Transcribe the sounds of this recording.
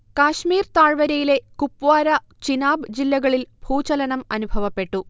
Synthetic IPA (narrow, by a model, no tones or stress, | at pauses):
kaːɕmiːrt̪aːɻʋɐɾɐjile̞kupːʋaːɾɐ | t͡ɕinaːbɨd͡ʑilːɐɣɐɭilbʱuːt͡ɕɐlɐnɐmɐnubʱɐʋɐpːe̞ʈːu